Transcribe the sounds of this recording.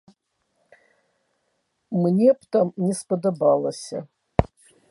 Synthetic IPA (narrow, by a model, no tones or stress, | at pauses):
mnʲeptʰamnʲɛspɐdɐbalˠɐsʲɐ̰